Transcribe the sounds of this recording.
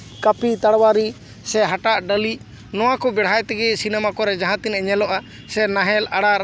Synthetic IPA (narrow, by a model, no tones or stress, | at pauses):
kəpit̪aɽwaɾi | sɛɦaʈaʔɖəli | nɔwakɔbɛɽ̤ajt̪ɛɡɛsinɛmakɔɾɛd͡ʒaɦãt̪inɛɲɛlɔʔa | sɛnaɦɛlaɽaɾ